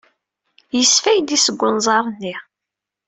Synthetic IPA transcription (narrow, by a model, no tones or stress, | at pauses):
jəsfæjd̪isəɡʷːənzˤɑɾˤnːi